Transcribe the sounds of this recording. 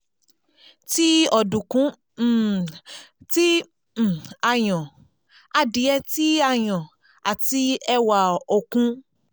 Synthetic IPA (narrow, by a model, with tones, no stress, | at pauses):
ti˦ɔ˨dũ˨kũ˨˦˨ | ti˦˨ | a˨j̃ɔ̃˨ | a˧di˨˦ɛ˧ti˦a˧˨j̃ɔ̃˨ | a˨ti˧ɛ˧wa˨o˨kũ˦